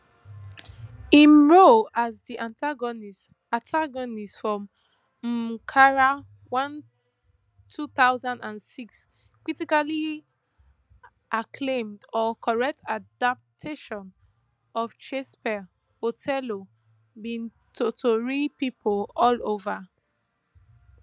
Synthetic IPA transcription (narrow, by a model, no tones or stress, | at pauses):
ĩnɹoazdiʔãntaɡɔnis | atʰaɡɔnistfɹɔ̃m̩ | kʰaɹa | wãn | tʰuθaʊzãndãnsiks | kɹitikali | ʔakʰlẽmdɔkʰɔɹɛk̚tʰadap̚tʰeʃɔ̃n | ɔfʃespɛ | hotʰɛlo | bĩn | tʰotʰoɹipipʰolɔlova